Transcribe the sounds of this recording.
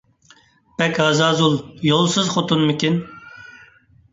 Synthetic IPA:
pɛkʲɑzɑːzulˠjolˠsɨzχot̪ʰunmɪkʲin

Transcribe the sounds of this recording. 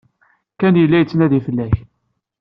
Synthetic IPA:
kænjəlːæjət͡sːnæðifəlːæç

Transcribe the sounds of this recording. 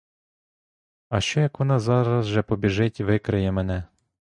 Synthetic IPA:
ɐʃt͡ʃɔjɐkʋɔnɑzɑɾɐzʒɛpɔbʲiʒɪtʲʋɪkɾɪjɛmenɛ

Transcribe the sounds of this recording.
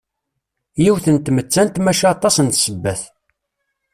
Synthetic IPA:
jiwθənt̪mət͡sːænt̪mæʃiɑt̪ˤɑsənt̪səbːæθ

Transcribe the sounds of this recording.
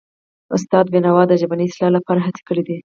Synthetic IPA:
ʊst̪ɑd̪̚benawɑd̪əʒabanislɑlapɑɾaɦat͡si̥kəɽid̪i

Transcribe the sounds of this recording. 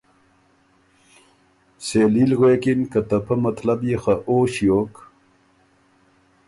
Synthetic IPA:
selilɣeːkinkɐt̪ɐpɐmɐt̪lɐbjexaʔoːɕjoːk

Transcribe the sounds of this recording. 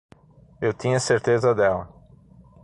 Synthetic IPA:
ewt̪ĩɲɐseɾt̪ezɐd̪ɛlɐ

